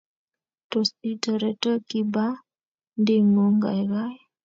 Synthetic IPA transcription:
to˨si˦tə˨ɾɛ˨tə˦ki˦ba˦ | ndɪ˦ŋo˨˦ŋɡa̰˨jɡa˦j

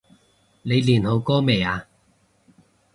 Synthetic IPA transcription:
ne˨˧jliː˨˩nho˨˧wkɔː˥me˨jaː˨˧

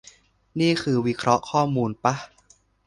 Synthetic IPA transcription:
niː˥˩kʰɯː˧wi˦˥kʰɾɔ˦˥ʔkʰɔː˥˩muː˧npa˦˥

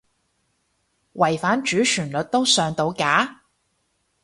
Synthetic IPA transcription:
wʔɐ˨˩jfaː˨˥nt͡ʃyː˨˥t͡ʃʰyː˨˩nlɵ˨t̚t̪o˥wsœː˨ŋt̪o˧wkaː˨˥

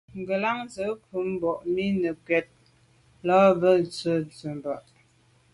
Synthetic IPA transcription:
ŋ˨ɡə˨la˦ŋzə˨˦ku˨˦m˦bɔ˨ʔmi˦nə˨kɥɛ˨t̚ | lɔ˦bə˦t͡sə˦t͡sə˨m˨bɔ˨ʔ

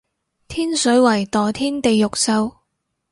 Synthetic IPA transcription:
t̪ʰiː˥nsɵ˨˥wɐ˨˩jt̪ɔː˨t̪ʰiː˥nt̪e˨jːʊ˨k̚sɐ˧w

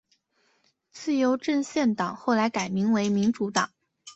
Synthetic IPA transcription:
t͡sɹ̩˥˩jo˧˥ʊʈ͡ʂə˥˧ŋɕjɛ˥˩nt̪ɑ˨˩ŋxo˥˩ʊla˧˥ɪka˨˩ɪmi˧˥ŋwe˧˥ɪmi˧˥nʈ͡ʂu˧˥t̪ɑ˨˩˦ŋ

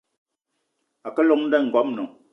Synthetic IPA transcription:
a˨kɛ˦lɔ˨ŋn̩˦dɛ˦˨ŋ̩˨ɡɔ˦m̚nɔ˨

